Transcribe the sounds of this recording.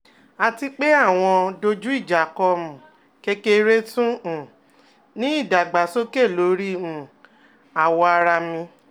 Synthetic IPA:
a˨˧ti˧k͡pe˦a˦˨w̃ɔ̃˧do˧d͡ʒu˦i˦˨d͡ʒa˨kɔ˧mũ˨ | ke˧ke˧ɾe˦tũ˦˨ | nĩ˨˦i˦˨da˨ɡ͡ba˨˦so˦ke˦˨lo˨˦ɾi˦ũ˨ | a˨wɔ˧a˧ɾa˧mĩ˧

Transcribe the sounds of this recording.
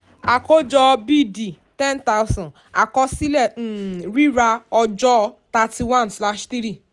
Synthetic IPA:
a˨kɔ˦d͡ʒɔ˦bi˦di˨ | tɛ̃˦nta˦wsɔ̃˨ | a̰˨kɔ˧si˦lɛ˦˨ɾi˦ɾa˧ɔ˧d͡ʒɔ˦˧ta˧ti˧wã˦˨nsla˦ʃti˦ɾi˦˨

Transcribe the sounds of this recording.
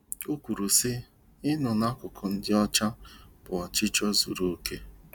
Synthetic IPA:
o˦kʷu˨ɾu˨sɪ˦ | ɪ˦nʊ˨na˦kʊ˨kʊ˨n̩˦dɪ˦ɔ˦t͡ʃa˦b̥ʊ˨ɔ˨t͡ʃɪ˦t͡ʃɔ˦zu˨ɾo˦ke˦

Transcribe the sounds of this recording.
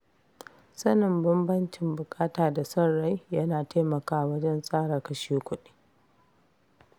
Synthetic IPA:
sɐ˦nɪ˨mbɐ˦mbɐ˦nt͡ʃɪ˨mbʊ˨kʼaː˦taː˨da˨sɐ˦rːa˦jjɐ˦naː˨ta˦mɐ˨kaː˦˨wɐ˦d͡ʒɐ˦nsʼaː˦ɽɐ˨kɐ˦ʃiː˦kʷʊ˦ɗiː˦

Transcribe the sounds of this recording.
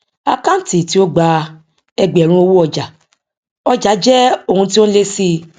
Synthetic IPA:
a˧kã˦n̩˦˨ti˨ti˨˦o˦ɡ͡ba˧ | ɛ˧ɡ͡bɛ˨ɾ̃ũ˧o˧wu˦ɔ˧d͡ʒa˨ | ɔ˧d͡ʒa˨˦d͡ʒɛ˦o˦˨hũ˧ti˦o˦le˦si˧

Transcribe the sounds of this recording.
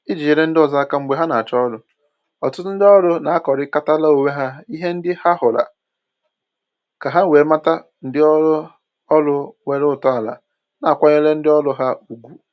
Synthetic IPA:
i˦d͡ʒi˨je˨ɾe˦n̩˦dɪ˦ɔ˨za˨˦a˦ka˦ŋ͡m̩˦ɡ͡be˨ɦa˦na˨a˨t͡ʃɔ˦lʊ˨ | ɔ˨tʊ˦tʊ˦n̩˦dɪ˦ɔ˦ɾʊ˦na˨a˦kɔ˨ɾɪ˦ka˦ta˦la˦o˨we˦ɦa˦i˦ɦe˦n̩˦dɪ˦ha˦ɦʊ˨la̰˨ | ka˨ɦa˦n̩˦weː˨ma˦ta˦ | n̩˦dɪ˦ɔ˦ | ɔ˦lʊ˦we˨ɾʊ˦˨tɔ˦a˨la̰˨ | na˨kʷa˦ɲe˦le˦n̩˦dɪ˦ɔ˦lʊ˦ɦa˦u˨ɡʷu˨

